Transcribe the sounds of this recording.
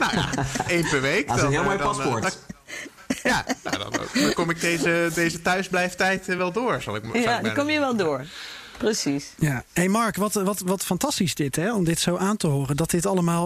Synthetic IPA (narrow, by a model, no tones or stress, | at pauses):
naa̰ejnpəɹʋejkɦɪːlˠmojpɑsɔɹt | jano̰dɔ̰no̰knykɔmɪɡ̚dejzədejzətœɥzblɛjftɛjtʋɛlˠdʊːɹz̥ɑ̰lˠɪkdikɔmjəʋɛlˠdʊːɹ | prəsisjaɦejmɑɹkʋɑtʋɑtʋɑtfɑntɑstisdɪtɦɛɔmdɪtsowʔaːntəɦʊːrəndɑt̚dɪtɑləmaːlˠ